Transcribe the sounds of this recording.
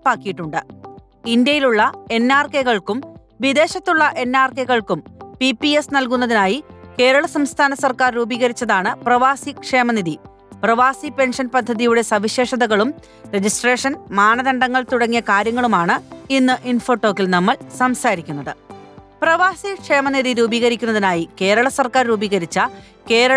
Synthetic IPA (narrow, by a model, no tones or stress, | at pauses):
paːkːijiʈːuɳɖɨ | ind̪jɐjiluɭːɐe̞nːaːrkeɣɐɭkum | ʋid̪e̞ːɕɐt̪ːuɭːɐʔe̞nːaːrkeɣɐɭkumpipːiesnɐlkunːɐðinaːjike̞ːɾɐɭɐsɐmst̪ʰaːnɐsɐrkaːrɾuːbiːɣɐɾit͡ɕːɐðaːɳɨprɐʋaːsikʂeːmɐniði | prɐʋaːsipe̞nʂɐnpɐd̪ʱːɐðijuɽe̞sɐʋiɕe̞ːʂɐðɐɣɐɭum | re̞d͡ʑisʈre̞ːʂɐnmaːnɐðɐɳɖɐŋːɐɭt̪uɽɐŋːijɐkaːɾjɐŋːɐɭumaːɳɨinːɨʔinfo̞ːʈːo̞ːkːilnɐmːɐɭsɐmsaːɾikʲːunːɐðɨprɐʋaːsikʂe̞ːmɐniðiɾuːbiːɣɐɾikʲːunːɐðinaːjike̞ːɾɐɭɐsɐrkaːrɾuːbiɣɐɾit͡ɕːɐ | ke̞ːɾɐ